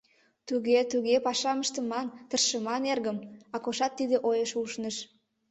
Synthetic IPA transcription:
t̪uɣet̪uɣepɑʃɑməʃt̪əmɑnt̪ərʃəmɑnerɣəmɑkoʃɑt̪ːid̪eʔojəʃuʃnəʃ

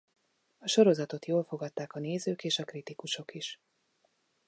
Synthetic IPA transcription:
ɒʃo̞ɾo̞zɒt̪o̞t̪joːlfo̞ɡɒt̪ːaːkɒneːzøːkeːʃɒkrit̪ikuʃo̞kiʃ

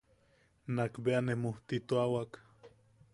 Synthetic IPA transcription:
nakbeanemoht̪it̪oawak

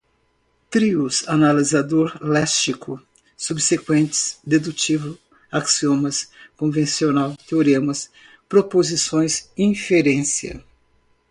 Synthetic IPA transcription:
t̪ɾiʊsanalizad̪oɾlɛst͡ʃikʊ | subsekwẽnt̪ɪ̥sd̪ed̪ut͡ʃivʊ | aksiõmɐskõvẽsionawt̪eoɾẽmɐs | pɾopozisõj̃sĩfeɾẽsiɐ̰

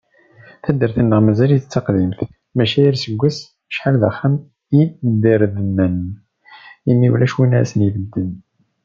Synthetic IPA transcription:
θæd̪əɾθənːəʁmæzæljt͡sːɑqðimθ | mæʃæjəɾsəɡʷːæs | ʃħalðaχːam | jid̪iɾðənːən | imːiulæʃwinæʕæ̰sənivəd̪ːən

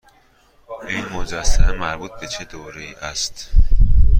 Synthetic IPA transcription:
ʔinmod͡ʒæsːæmemæɾbuːt̪̚be̞t͡ʃʰe̞d̪oːɾeiːʔæst̪

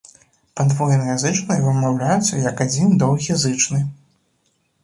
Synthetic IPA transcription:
pad̪vɔjɛnɐjazɨt͡ʂnɐjvɨmawlʲajɛt̪sːɐjɐkad͡zʲind̪ɔwɣʲijazɨt͡ʂnɨ

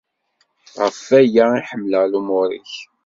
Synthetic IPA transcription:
ʁəfæjaiħəmːləʁlumʊɾḭç

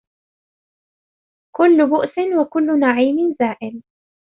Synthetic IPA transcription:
kʊlːʊbʊʔsɪnwakʊlːʊnaʕiːmɪnzaːʔɪl

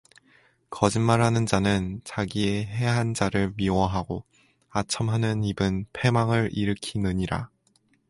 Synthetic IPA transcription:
kʌd͡ʑimmaɭɦanɯnd͡ʑanɯnt͡ɕaɡieɦe̞ɦand͡ʑaɾɯɭɥiwʌɦaɡo | at͡ɕʰʌmɦanɯnibɯnpʰe̞maŋɯɾiɾɯkʰinɯɲiɾa̰

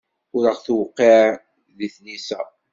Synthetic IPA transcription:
ʊɾəʁθwqːe | ðiθnisæ

